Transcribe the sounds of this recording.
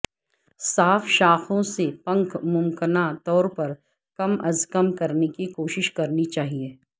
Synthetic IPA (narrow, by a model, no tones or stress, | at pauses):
saːfʃaːxõsepɐ̃ŋkmʊmkɪnat̪ɔːɾpɐɾ | kɐmɐzkəmkɐɾnekikoːʃɪʃkɐɾnit͡ʃaːɦieː